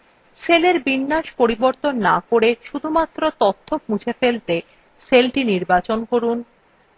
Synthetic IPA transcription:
seleɾbinːaʃpoɾiboɾt̪onːakoɾeʃud̪ʱumat̪ːɾot̪ɔt̪ʰːop̚mut͡ɕʰefelt̪e | selʈiniɾbat͡ɕonkoɾun

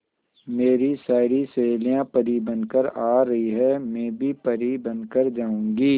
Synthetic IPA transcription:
meːɾisaːɾiseːlijãpɐɾibɐ̃nkəɾaːɾɐɦiɦɛmɛ̃ːbʱipɐɾibɐnkəɾd͡ʒaːũːŋɡiː

